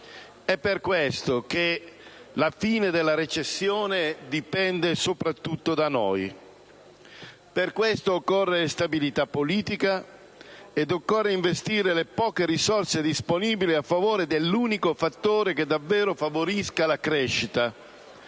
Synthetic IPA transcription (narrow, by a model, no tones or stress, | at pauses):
ɛpːerkwest̪ok̟e | lafiːned̪elːaɾet͡ʃesːjoːned̪ipɛnd̪esopɾat̪ːut̪ːod̪ano̰j | perkwest̪oːkːorːest̪abilit̪apːoliːt̪ika | ed̪okːorːeiɱvest̪iːɾelepɔːkeɾisɔrsed̪isponiːbiliafːavoːɾed̪elːuːnikofat̪ːoːɾeked̪avːɛːɾofavoɾiskalakɾeʃːit̪a